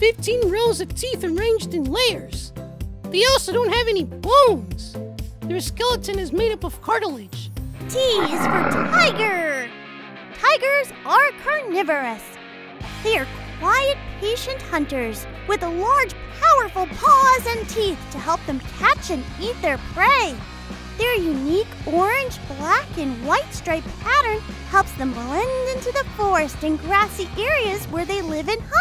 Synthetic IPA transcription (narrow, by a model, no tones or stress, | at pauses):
fɪftʰĩnɹoʊzʌv̥tʰiθə˞ẽɪ̃nd͡ʒdɨ̃nleɪə˞z̥ðiɔlˠsoʊdõʊ̃nt̚hɨvɛnibõʊ̃nz̥ðə˞skɛlˠətʰɨ̃nɨzmeɪɾʌpʌv̥kʰɑɹɾl̩ˠɪd̥ʒ̥tʰizwə˞tʰaɪɡə˞ | tʰaɪɡə˞z | ə˞kʰɹ̥onɪvə˞ɨs | ðeɪə˞kʰw̥aɪɨt̚pʰeɪʃɨ̃nʔhʌ̃ntə˞zwɨðəlɑɹd̥ʒ̥pʰaʊə˞fl̩ˠpʰɔzɨ̃ntʰiθtʰɨɦɛlˠp̚ðɨ̃mkʰæt͡ʃɨ̃n | it̪̚ðə˞pʰɹ̥eɪ | ðə˞jʉnikɔɹɪ̃nd͡ʒblækɨ̃nwaɪtstɹ̥eɪppʰæɾə̃˞nhɛlˠpsðə̃mblɛ̃ndɪ̃ntʉðəfɔɹɨstɨ̃nɡɹæsiʔɛɹiɨzwə˞ðeɪlɪvɨ̃nhʌ